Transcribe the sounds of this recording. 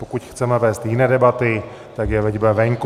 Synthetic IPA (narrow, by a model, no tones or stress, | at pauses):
pokucxt͡sɛmɛvɛːst̪jɪnɛːdɛbat̪ɪ | t̪akjɛvɛɟbɛvɛŋk